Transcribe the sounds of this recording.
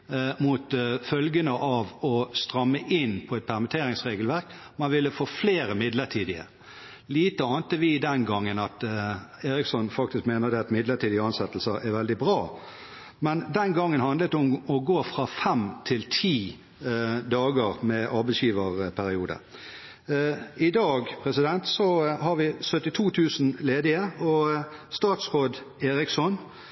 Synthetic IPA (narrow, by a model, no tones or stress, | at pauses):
mut̪fœlɡənəʔɑʋɔst̪ʁɑmːəʔɪnpʰɔɛt̪̚pʰæʁmɪt̪ʰeːɾɪŋsʁeːɡəlʋæʁk | mɑnʋɪlːəfoːfleːɾəmɪd̪ləʈʰiːd̪ɪə̰ | liːt̪əɑːnt̪əʋɪɪd̪ɛnɡɑŋːənɑt̪eːɾɪksɔnfɑk̚t̪ɪskmeːnəʁd̪ɛɑt̪mɪd̪ləʈʰiːd̪ɪəɑnsɛt̪lsəɾɛɾʋɛld̪ɪbʁɑː | mɛnd̪ɛnɡɑŋːənhɑnd̪lət̪ʊmɔɡoːfʁɑfɛmt̪ʰɪlt̪ʰiː | d̪ɑːɡəʁmɛʔɑːbɛɪsjiːʋəʁpʰæɾɪuːd̪ə̰ | ɪd̪ɑːɡpʰʁɛsɪd̪ɛnt̪sɔhɑʁʋɪsœt̪ɪt̪ʰuːt̪ʰʉːsn̩leːd̪ɪəɔst̪ɑːt̪sʁoːd̪ | eːɾɪksɔn